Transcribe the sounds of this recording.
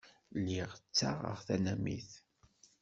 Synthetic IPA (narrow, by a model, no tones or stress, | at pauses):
lːiʁt͡sːaʁə̰ʁθænæmḭθ